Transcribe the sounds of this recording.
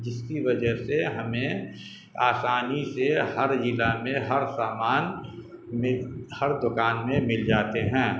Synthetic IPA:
d͡ʒɪskiʋɐd͡ʒəɦseɦɐmẽ | aːsaːnisehəɾd͡ʒɪlamẽɦɐɾsaːmaːn | mẽhɐɾd̪ʊkaːnmẽmɪld͡ʒaːt̪eɦɛ̃ː

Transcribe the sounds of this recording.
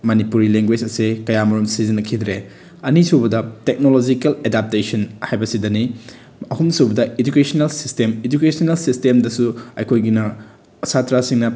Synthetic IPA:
mɐnipuɾileŋɡwed͡ʒɐsekɐjamɐɾumsizinɐkʰid̪ɾe | ɐnisubɐdɐtek̚nolod͡ʒikeledap̚tesɐnhajbɐsidɐni | ɐhumsubɐdɐed͡ʒukesonelsistemed͡ʒukesɐnelsistemdɐsuɐ̰jkʰojɡinɐː | satɾasiŋnɐ

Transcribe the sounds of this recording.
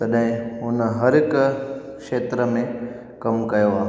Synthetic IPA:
t̪ɐɗɦɪ̃ʊnɦɐɾɪk | kʃeːt̪ɾəmẽ | kɐmkɐjoa

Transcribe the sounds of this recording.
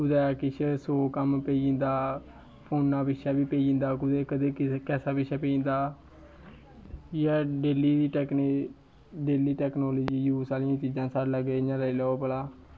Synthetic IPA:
kʊd̪aːaːkɪt͡ʃʰsoːkəmpẽnd̪aː | pʰoːnːãːbɪʃaːbiːpeiĩːnd̪aːkʊd̪eːkəd̪eːkɛːsaːbɪʃaːpeːĩːnd̪aː | jaːɖeːliːiːʈːkː | ɖeːliːʈɛːknoːloːd͡ʒiːjuːsaːlɪjãːt͡ʃiːd͡ʒãːsaɾləɡeːɪɲãːləilɛːoːpəlaː

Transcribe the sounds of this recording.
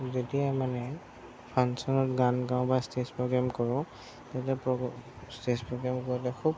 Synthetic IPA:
zetiamanɛ | pʰansɔnɔtɡanɡãʊ̃bajstespɹɔɡɹamkɔɹɔ̃ | tatiapɔ | stespɹɔɡɹamkɔɹitɛkʰub̚

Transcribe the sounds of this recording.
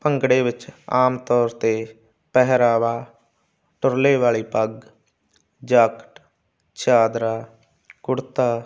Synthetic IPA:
pəŋɡɽeːʋɪt͡ʃaːmt̪ɔːɾt̪eː | pɛɦɾaːʋaː | ʈʊɾleːʋaːɭiːpəɡ | d͡ʒakʈ | t͡ʃaːd̪ɾaː | kʊɽt̪aː

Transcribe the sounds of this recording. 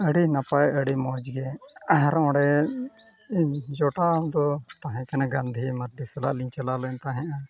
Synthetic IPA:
əɽinapajəɽimɔd͡ʒɡɛɾɔ̃ɽɛ | d͡ʒɔʈad̪ɔt̪aɦɛ̃kɛnaɡãnd̪ʱimɐɾd̪ʱisɛla̰liɲt͡ʃalalɛnt̪aɦɛ̃ʔa

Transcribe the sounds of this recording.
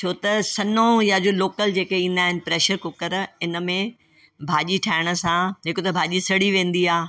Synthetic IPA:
t͡ʃʰoːt̪ɐsɐnõjad͡ʑoːloːkəld͡ʑeːkeĩːn̆d̪aːɦɪnɪ̆pɾeːʃəɾkʊkəɾɪnə̆mẽ | bʱaːʄiʈʰaːɪɽ̃ə̆sãd͡ʑeːkot̪ɐbʱaːʄisɐɽiʋẽːn̆d̪iaː

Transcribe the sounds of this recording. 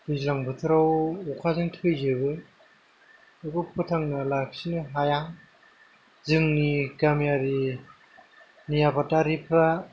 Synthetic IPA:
bizlaŋbʰɯtʰɯɾawɔkʰazɯŋtʰɯkʰɯjzɯbɯ | ɯkupʰɯtʰaŋnalak̚sinɯɦajaŋ | zɯŋniɡamijaɾi | nijapataɾipʰɾa

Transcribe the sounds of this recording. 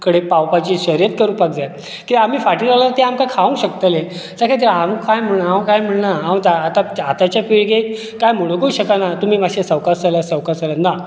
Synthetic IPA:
kəɽepawpat͡ɕiːɕəɾijət̪̚kəɾũːpakd͡zajt̪ | kiʋaam̤iːfaʈiːd͡zalaat̪eamkakʰaʋə̃ŋkɕəkt̪əlesakʰet̪̬əɾamkajm̤əɳnãkajm̤əɳnaãt̪aːt̪aat̪at͡ɕjapiɭɡe | kajm̤uɭokouɕəkanat̪um̤iːmaɕesəwkasaljasəwkasalana

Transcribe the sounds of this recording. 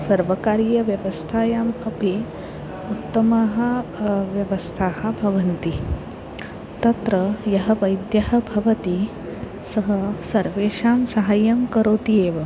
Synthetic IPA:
sɐɾʋɐkaːɾijɐʋjɐʋɐst̪ʰaːjaːmɐpi | ut̪ːɐmaːɦɐ̆ʋjɐʋɐst̪ʰaːhɐ̆bʱɐʋɐnt̪i | t̪ɐt̪ɾɐjɐɦɐʋɐjd̪jɐɦɐ̆bʱɐʋɐt̪i | sɐɦɐsɐɾʋeːʂaːmsɐɦajɐmkɐɾoːt̪ijeːʋɐ

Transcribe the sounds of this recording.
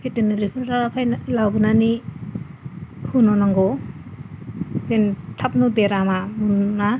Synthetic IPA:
pʰetinɯɾipʰɯɾɾapʰajnlawbɯnani | kʰɯnɔnaŋɡɔ | zentʰap̚nubeɾamamunna

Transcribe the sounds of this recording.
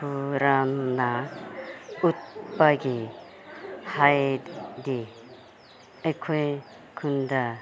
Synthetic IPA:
pʰuɾanːa | ut̪̚paɡi | hajd̪d̪i | ekʰɔj | kʰund̪a

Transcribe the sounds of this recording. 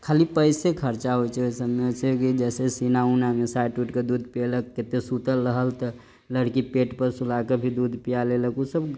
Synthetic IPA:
kʰalipəjsekʰəɾt͡ʃaɦojt͡ʃʰɛojsəbmet͡ʃʰɛkid͡ʒɛsesinaunamesajʈuʈked̪ud̪ʱpeləkːet̪esut̪əlːəɦəlt̪ə | ləɽkipeʈpəɾsulakebʱid̪ud̪ʱpijaleləkusəb

